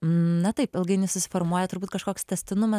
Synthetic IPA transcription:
nɐt̪ɐɪpɪlˠɡɐɪnʲʊsʊsʲɪ̥foɾmuɔjɛt̪ʊɾbuːt̪̚kɐʃkoːkst̪ʲɛsʲt̪ʲɪnʊmɐ

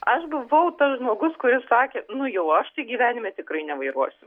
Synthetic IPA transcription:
ɐʃbʊʋɐʊt̪ɐsʒmoːɡʊskʊɾʲɪssɑːkʲeːnʊjɛʊɐʃt̪ɐɪɡʲiːʋʲæːnʲɪmʲeːt̪ʲɪkrɐɪnʲɛʋɐɪɾuɔsʲɪ

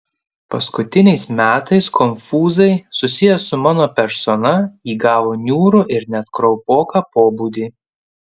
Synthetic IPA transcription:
pɐskʊt̪ʲɪnʲɛɪsmʲæːt̪ɐɪskʰɔmʲfuːzɐɪsʊsʲɪjɛsʊmɑːnoːpʲɛɾsɔnɐiːɡɑːʋoːnʲuːɾʊʔɪɾnʲɛt̪kɾɔʊpoːkɑːpoːbuːd̪ʲiː

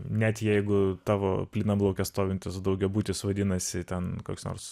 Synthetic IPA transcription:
nʲɛt̪jɛɪɡʊt̪ɑːʋo̰ːpʲlʲiːnɐmblˠɐʊkʲɛst̪oːʋʲɪnʲt̪ʲɪsd̪ɐʊɡʲɛbuːt̪ʲɪsʋɐd̪ʲɪnɐsʲɪt̪ʲɛnko̰ːkʲsno̰ːrɾs

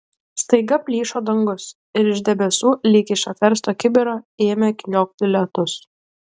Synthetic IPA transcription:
st̪ɐɪɡɐpʲlʲiːʃoːd̪ɐŋɡʊs | ɪɾɪʒʲd̪ʲɛbʲɛsuːlʲiːkʲɪʃʲɐt̪ʲɛɾst̪oːkʲɪbʲɪɾoːeːmʲɛkʲlʲoːk̚b̪ʲɪlʲɛt̪ʊs

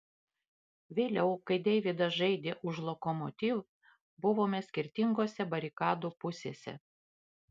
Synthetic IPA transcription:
ʋʲeːlʲɛʊkɐɪd̪ʲɛɪʋʲɪd̪ɐsʒɐɪd̪ʲeːʔʊʃlˠɔkɔmɔt̪ʲiːʋ | bʊʋoːmʲɛsʲkʲɪɾʲt̪ʲɪŋɡoːsʲɛbɐɾʲɪkɑːd̪uːpʊsʲeːsʲɛ̰

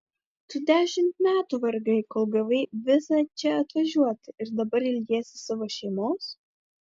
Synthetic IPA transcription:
t̪ud̪ʲæːʃʲɪmt̪mʲæːt̪uːʋɐɾɡɐɪkoːlˠɡɐʋɐɪʋʲɪsɑːt͡ʃʲɛɐt̪ʋɐʒʲuɔt̪ʲɪɪɾd̪ɐbɐɾɪlʲd̪ʲeɛsʲɪsɑʋoːʃʲɛɪmoːs

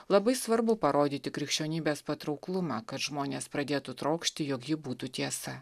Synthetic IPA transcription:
lˠɐbɐɪsʋɐɾbʊpɐɾoːd̪ʲiːt̪ʲɪkɾʲɪkʃʲt͡ʃʲoːnʲiːbʲeːspɐt̪ɾɒʊklˠʊmɑːkɐt̪ʒmoːnʲeːspɾɐd̪ʲeːt̪ut̪ɾɐʊkʃʲt̪ʲɪjoːkjɪbuːt̪ut̪ʲiɛsɐ

